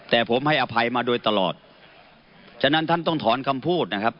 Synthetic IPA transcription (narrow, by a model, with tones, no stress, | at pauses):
t̪ɛː˨˩pʰo˩˦mha˥˩jʔa˧pʰa˧jmaː˧doː˧jt̪a˧lɔ̰ː˨˩t̪̚ | t͡ɕʰa˧˥na˦˥nt̪ʰa˥˩nt̪ɔ˥˩ŋt̪ʰɔː˩˦nkʰa˧mpʰuː˥˩t̪̚na˦˥kʰa˦˥p̚